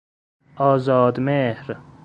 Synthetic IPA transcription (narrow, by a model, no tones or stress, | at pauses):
ɒːzɒːd̪mehɾ